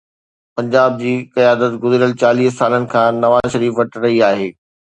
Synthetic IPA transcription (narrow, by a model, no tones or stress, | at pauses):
pɐ̃ɲd͡ʑaːb̚d͡ʑiːkɐjaːd̪ət̪ɡʊzɾijəlt͡ɕaːliːɦsaːlənɪ̆kʰãːnɐʋaːzʃɐɾiːfʋɐʈɾɐɦiaːɦeː